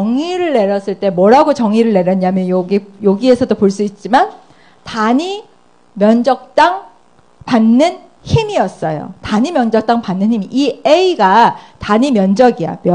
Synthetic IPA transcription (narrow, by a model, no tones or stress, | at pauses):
ʌŋiɾɯɭːe̞ɾjʌs͈ɯɭt͈e̞mwʌɾaɡot͡ɕʌŋiɾɯɭːe̞ɾjʌɲamjʌnjoɡijoɡie̞sʰʌdopoɭs͈uit̚t͡ɕ͈iman | taɲi | mjʌnd͡ʑʌk̚t͈aŋ | panːɯn | çimijʌs͈ʌjo̰taɲimjʌnd͡ʑʌk̚t͈aŋpanːɯnhimiʔieiɡataɲimjʌnd͡ʑʌɡija̰mj